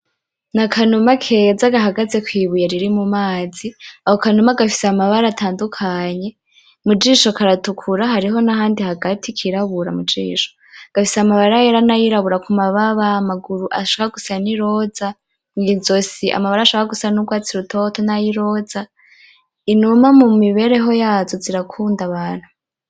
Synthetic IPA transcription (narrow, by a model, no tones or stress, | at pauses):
nakʰanumakʰe̞zaɡaɦaɡaze̞kwiːβujeɾiɾimumaːziahokanumaɡafi̥seamaβaɾatʰaːndukʰaɲe̞ | mud͡ʒiːʃokaɾatukʰuɾaɦaɾiɦo̞naɦaːndihaɡatʰikʰiɾaβuɾa̰mud͡ʒḭːʃo̥ | ɡ̥afiseamaβaɾajeɾanajiɾaβuɾakumaβaβaːmaɡuɾuʔa̰ʃoβaɡusaniɾo̞za | ŋɡizo̞siʔa̰maβaɾaʃβɾaɡusanuɡwaːt͡siɾutʰo̞tonajiɾo̞za | inumamumiβe̞ɾe̞ɦo̞jaːzo̞ziɾakʰuːndaβaːn̥hu